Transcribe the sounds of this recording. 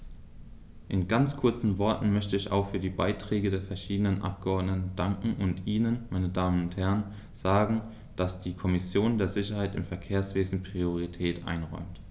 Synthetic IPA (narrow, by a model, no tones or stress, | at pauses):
ʔɪnɡant͡skʰʊɐt͡sn̩vɔɐtn̩mœçtəɪça̰ʊxfyːɐdiːbaɪtʁ̥ɛːɡədeːɐfɛɐʃiːdənənʔa̰p̚ɡ̥əɔɐdnətn̩d̥aŋkŋ̩ʔʊntʔiːnənmaɪnədaːmənʊnthɛɐn | z̥aːɡŋ̩ | d̥asd̥iːkʰɔmɪsjoːndeːɐzɪçɐhaɪtɪ̰mfɛɐkʰeːɐsv̥eːzn̩pʁ̥ioʁitʰɛːtʔa̰ɪnʁɔ̰ʏmt